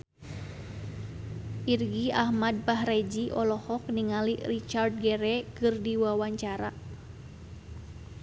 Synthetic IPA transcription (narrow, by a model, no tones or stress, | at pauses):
ʔirɡiahmad̚paɦrɛd͡ʒiʔɔlɔhɔk̚niŋalirit͡ʃard̚ɡɛɾɛkɨrdiwawaɲt͡ʃaɾa